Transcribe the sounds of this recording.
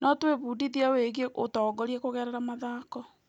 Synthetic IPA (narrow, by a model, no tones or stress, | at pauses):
nɔtweβuːdiðiaweɣeotɔːɡɔɾiɛkoɣɛɾɛɾamaðaːkɔ